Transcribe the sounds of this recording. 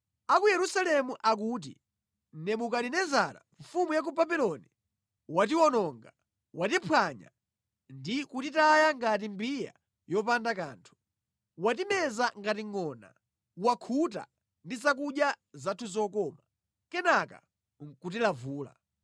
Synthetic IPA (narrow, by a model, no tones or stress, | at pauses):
akujɛɾusalɛmuʔak̬uːt̬ḭ | nɛmukalinɛzaɾa̰ɱfumujak̬ubabilɔni | wat̬iwɔnɔŋɡa | watipʰwaɲa̰ | ndikutitajaŋɡat̬imbija̰ | jɔpandaka̰ːntʰu̥ | wat̬imɛzaŋɡatiŋɔna̰ | wakʰuta̰ | ndizak̬uɗja | zatʰuzɔkɔma | kɛnaka̰ | ŋ̩kut̬ilavuːla̰